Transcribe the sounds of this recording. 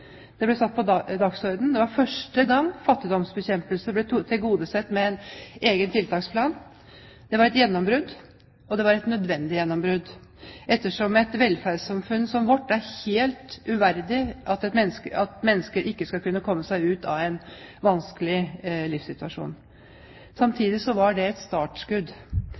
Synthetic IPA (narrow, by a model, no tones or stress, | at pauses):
d̪̥ɛblɛsɑt̪̚ːpɔd̪ɑksɔɾd̪n̩d̪ɛʋɑɾfœʂʈəɡɑŋːfɑt̪ːɪd̪ɔmsbɛçɛmpəlsəblɛt̪ʰɪlɡuːd̪əsɛt̪ːmɛɛneːɡənt̪ʰɪlt̪ʰɑːkspʰlɑːn | d̪̥ɛʋɑɾɛt̪jɛnːɔmbɾʉd̪ | ɔd̪ɛʋɑɾɛt̪nœd̪ʋɛnd̪ɪjɛnːɔmbɾʉd̪ | ʔɛt̪ːəʂɔmɛt̪ʋɛlfæɖsɑmfʉnːsɔmʋɔʈːæɾheːlt̪ʉʋæɾd̪ɪʔɑt̪ɛt̪mɛnːskəɑt̪mɛnːəskəɾʔɪkːəskɑlkʉnːəkʰɔmːəsæɪʉːt̪ɑ̰ʋæɪnʋɑnskəlɪlɪfsɪt̪ʉɑʂṵːn | sɑmt̪ʰiːd̪ɪsɔʋɑɖɛɛt̪st̪ɑːʈʂkʉd̪